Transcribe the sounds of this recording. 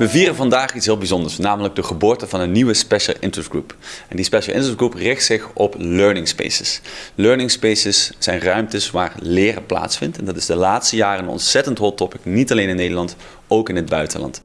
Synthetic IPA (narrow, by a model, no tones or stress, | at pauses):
ʋəviːrəvɑndaːχitsɦɪːlˠbizɔndəɹsnaːmələɡ̚dəχəbʊːɹtəvɑnənːiʋəspɛʃəlˠʔɪ̰ntɹəsɡɹupɛndispɛʃəlˠʔɪ̰ntɹəɡɹuprɪxtsɪχɔpløɹnɪŋspḛjsəsløːɹnɪŋspejsəsːɛjnrœɥmtəsʋaːrlɪːrə̰pla̰ːtsfɪntɛndɑtɪzdəlaːtstəjaːrənɔ̰ntsɛtəntɦɔlˠtɔpɪknitɑlejnɪnːejdəlɑnt | owkɪnɦəd̚bœɥtənlɑ̰nt